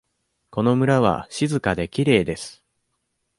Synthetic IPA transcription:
ko̞no̞mɯ̟ɾaβ̞a̰ɕizɨkad̪e̞kʲiɾe̞ːd̪e̞sɨ̥

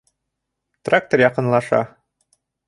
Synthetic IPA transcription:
t̪rak̚t̪orjɑqɤ̆nlˠɑʃɑ̰

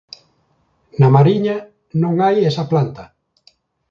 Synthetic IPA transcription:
namaɾiɲa | nõŋajesɐplant̪ɐ

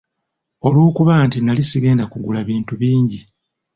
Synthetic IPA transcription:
o̞luːkuβantinalisiɡe̞ːndakuɡulaβiːntuβiːɲɟi

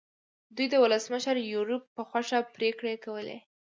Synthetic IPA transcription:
d̪ujd̪əwʊləsməʃəɾjuɾupːəxwaʂapɾekɽekawəlḛ

